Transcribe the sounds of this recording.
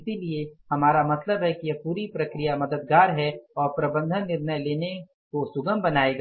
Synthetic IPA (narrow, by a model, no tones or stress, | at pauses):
ɪsiliehɐmaːɾamɐt̪ləbɦɛkijɐpuːɾipɾɐkɾijamɐd̪əd̪̚ɡaːɾɦɛɔːɾpɾɐbə̃nd̪ʱənːɪɾnəjleːne | kosʊɡəmbɐnaːeɡa